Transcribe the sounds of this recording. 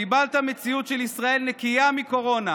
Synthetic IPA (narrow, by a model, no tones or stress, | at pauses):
ibalt̪amet͡siut̪ʃelisʁae̞lnekijamiko̞ʁo̞na